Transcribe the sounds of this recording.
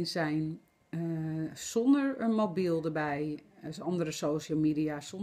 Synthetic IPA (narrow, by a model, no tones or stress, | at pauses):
nsɛjn | sɔndəɹənmobilˠdəɹbɛjɔndəɾəsowʃəlˠmidiasɔn